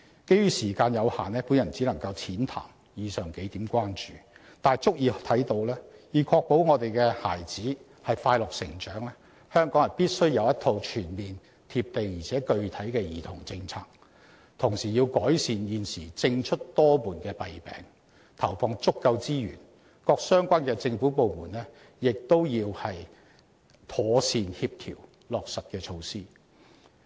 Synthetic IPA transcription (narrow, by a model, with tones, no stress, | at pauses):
ke˥jɥyː˥siː˨˩kaː˧njɐ˨˧whaː˨˩nɛː˥puː˨˧˥njɐ˨˩nt͡siː˨˥lɐ˨˩ŋkɐ˧wt͡sʰiː˨˥nt̪ʰa̰ː˨˩m | jiː˨˧sœː˨˩ŋke˨˥jt̪iː˨˥mkʷwaː˥nt͡ʃyː˨˩ | t̪aː˨jt͡sʊ˥k̚jiː˨˧t̪ʰɐ˨˥jt̪o˧wlɛː˥jiː˨˩kʰɔː˧k̚po˨˥wŋɔː˨˧t̪e˨jkɛː˧ha̰ː˨˩jt͡siː˨˥ | hɐ˨jfaː˧jlʊ˨k̚sɪ̰˨˩ŋt͡ʃœː˨˥ŋlɛː˥ | hœː˥ŋkɔː˨˥ŋjɐ˨˩npiː˥t̚sɵ˥ɥjɐ˨˧wjɐ˥t̪ʰo˧wt͡ʃʰyː˨˩nmiː˨n | t̪ʰiː˧p̚t̪e˨jjiː˨˩t͡sʰɛː˨˥kɵ˧ɥt̪ʰɐ˨˥jkɛː˧jiː˨˩t̪ʰʊ˨˩ŋt͡sɪ˧ŋt͡sʰaː˧k̚ | t̪ʰʊ˨˩ŋsiː˨˩jiː˧wkɔː˨˥jsiː˨njiː˨nsiː˨˩t͡sɪ˧ŋt͡ʃʰɵ˥t̚t̪ɔː˥muː˨˩nkɛː˧pɐ˨jpɛ̰ː˨˥ŋ | t̪ʰɐ˨˩wfɔː˧ŋt͡sʊ˥kːɐ˧wt͡siː˥jy̰˨˩n | kɔː˧k̚sœː˥ŋkʷaː˥nkɛː˧t͡sɪ˧ŋfu˨˥po˨wmuː˨˩nɛː˥ | jɪ˨k̚t̪o˥wjiː˧whɐ˨j | t̪ʰɔː˨˧siː˨nhiː˧p̚t̪ʰḭ˨˩w | lɔː˨k̚sɐ˨t̚kɛː˧t͡ʃʰo˧wsiː˥